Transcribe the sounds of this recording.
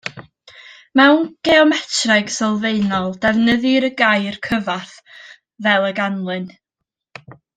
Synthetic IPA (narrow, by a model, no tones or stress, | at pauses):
mɛwnɡ̥ɛɔmɛtʰrajɡsɔlˠveɨnɔlˠdɛvnəðɨɾəɡajrkʰəvaθ | vɛlˠəɡanlˠɨn